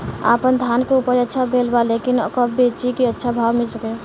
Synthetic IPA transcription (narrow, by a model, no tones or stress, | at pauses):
a̰ːpənd̪ʱjaːnkeuːpəɾətːʃʰabeːlbalekɪnkəbeːt͡ʃikiətːʃʰabʱaːwmɪlsəke